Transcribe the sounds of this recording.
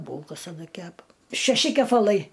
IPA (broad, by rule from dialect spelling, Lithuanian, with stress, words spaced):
ˈbuːlˠkɐs ɐˈnɐ ˈkʲæːpɐ ʃʲɛˈʃʲɪ kʲɛpɐˈlˠɐɪ